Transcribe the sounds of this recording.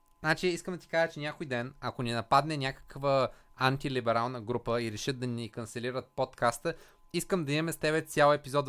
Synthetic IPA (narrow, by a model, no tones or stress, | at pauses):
znat͡ʃiiskəmd̪ɐt̪ʲi̥kaʒət͡ʃɛnʲjakojd̪ɛnɐkoninɐpad̪nɛnʲakə̥kvəant̪ilibɛɾalˠnəɡɾupəiɾɛʃəd̪ɐnʲikənt̪sɛliɾət̪̚pot̪kast̪ə | iskəmd̪ɐimɛst̪ɛβɛt̪sʲjalˠɛpizɔt̪